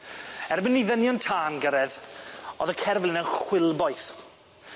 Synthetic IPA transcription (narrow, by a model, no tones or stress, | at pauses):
ɛrbɪnːiðənjɔntʰaːnɡəɾɛðɔðəkʰɛrvlˠɪnənχwɪlˠbɔjθ